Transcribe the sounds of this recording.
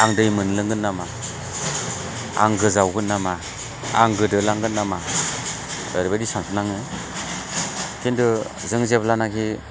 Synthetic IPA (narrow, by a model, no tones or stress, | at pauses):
aŋdɯjmɯnlɯŋɡɯnːama | a̰ŋɡɯzawɡɯnːama | aŋɡɯdɯlaŋɡɯnːama | aɾbadisaŋtʰɯnaŋɯ | kʰindɯ | zɯŋzeplanakʰi